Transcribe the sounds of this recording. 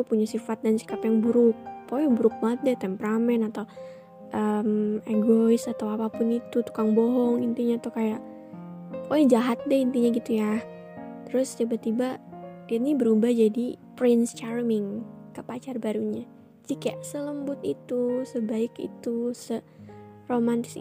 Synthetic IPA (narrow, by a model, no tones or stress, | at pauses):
t̪upuɲasifat̪̚dansi̥kapjaŋbuɾʊk̚pojbuɾʊk̚mat̪̚dɛt̪ɛmpəɾamɛnat̪aw | ʔəmɛɡoɪsat̪awapapʊnit̪ut̪u̥kaŋboɦɔŋint̪iɲat̪ukajaʔ | poɛd͡ʒaɦat̪̚dɛint̪iɲaɡit̪ujah | t̪əɾʊst̪ibat̪ibadiat̪nibəɾubahd͡ʒadipɾɪnst͡ʃarmɪŋkəpat͡ʃarbaɾuɲa | d͡ʒikajaʔsələmbʊt̪it̪usəbaɪkḭt̪usə | romant̪ɪ̥s